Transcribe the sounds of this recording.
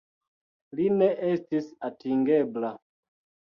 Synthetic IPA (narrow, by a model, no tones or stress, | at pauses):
lineʔestisatiŋɡebla